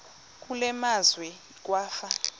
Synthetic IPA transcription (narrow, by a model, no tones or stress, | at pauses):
k̬ʼulɛmazwɛ | k̬ʼwaːfa